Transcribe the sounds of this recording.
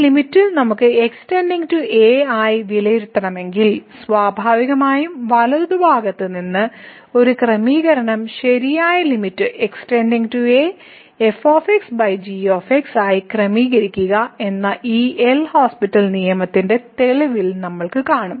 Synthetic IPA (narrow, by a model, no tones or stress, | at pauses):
limitːɨnɐmukːɨe̞ksʈeːndiŋɡtueːaːjiʋilɐjiɾut̪ːɐɳɐme̞ŋɡilsʋaːbʱaːʋiɣɐmaːjumʋɐlɐððubʱaːɡɐt̪ːɨninːɨ | o̞ɾukrɐmiːɣɐɾɐɳɐmɕɐɾijaːjɐlimitːɨʔeksʈendiŋɡtue | efoːfeksbɐjd͡ʑioːfeksaːjikrɐmiːɣɐɾikʲːuɣɐe̞nːɐʔiːelhoːspitːɐlnijɐmɐt̪ːinde̞t̪e̞ɭiʋilnɐmːɐɭkɨkaːɳum